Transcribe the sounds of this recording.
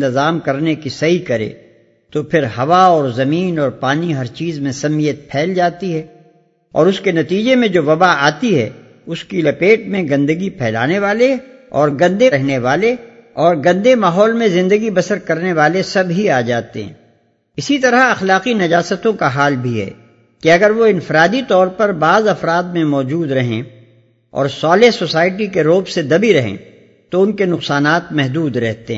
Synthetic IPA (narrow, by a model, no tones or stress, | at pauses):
t̪ɪzaːmkɐɾnekisɐɦikɐɾḛ̃ː | t̪opʰɪɾɦɐʋaɔːɾzɐmiːnɔːɾpaːniɦɐɾt͡ʃiːzmẽsɐmijət̪̚pʰɛːld͡ʒaːt̪iɦɛː | ɔ̰ːɾʊskenɐt̪iːd͡ʒemẽd͡ʒoːʋɐbaaːt̪iɦɛ̰ː | ʊskilɐpeːʈmẽɡɐ̃nd̪əɡipʰɛːla̰ːneʋaːle | ɔːɾɡɐ̃nd̪eɛɦneʋaːle | ɔːɾɡɐ̃nd̪emaːɦɔːlmẽzɪ̃nd̪əɡibɐsəɾkɐɾneʋaːlesɐbʱɦiaːd͡ʒaːt̪eɦɛ̰̃ː | ɪsit̪ɐɾəɐxlaːqinɐd͡ʒaːsət̪õkaɦaːlbʱiɦɛ̰ː | kiɐɡəɾʋoɪ̃nfɪɾaːd̪it̪ɔːɾpɐɾbaːzɐfɾaːd̪̚mẽmɔːd͡ʒuːd̪ɾɐɦḛ̃ | ɔ̰ːɾsɔːlesosaːɪʈikeɾoːbsed̪ɐbiɾɐɦḛ̃ | t̪oʊnkenʊqsaːnaːt̪mɛɦd̪uːd̪ɾɛɦt̪eɦɛ̰̃ː